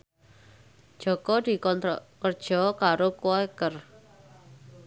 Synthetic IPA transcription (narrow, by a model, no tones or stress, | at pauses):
ʒ̥ɔ̤kɔd̪̥i̤kɔnt̪ɾɔkərd̥ʒ̥ɔ̤kaɾokuɔekər